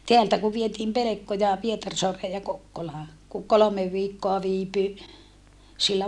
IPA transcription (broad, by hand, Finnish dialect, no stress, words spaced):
teæltæ ku ʋietiːm pelekːojɑ pietɑrsoɑreː jɑ kokːolɑː ku kolomeʋ ʋiːkːoɑ ʋiːpy silːæ